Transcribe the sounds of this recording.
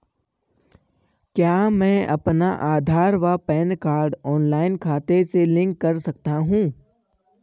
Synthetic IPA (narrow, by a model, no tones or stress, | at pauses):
kjaːmɛ̃ːɐpnaʔaːd̪ʱaːɾʋapɛːnkaːɾɖɔːnlaːɪnkʰaːt̪eselɪ̃ŋkːɐɾsɐk̚t̪aɦũː